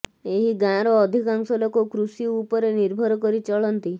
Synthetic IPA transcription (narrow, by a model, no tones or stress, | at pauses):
eɦiɡãɾɔːd̪ʱikaŋsɔlɔkokɾusiupɔɾeniɾbʱɔɾɔkɔɾit͡ʃɔɭɔnt̪i